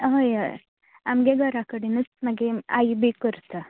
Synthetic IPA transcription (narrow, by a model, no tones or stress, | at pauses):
ɦojə̰j | amɡeɡʱəɾakəɽinət͡sməɡea̰jbikəɾt̪ə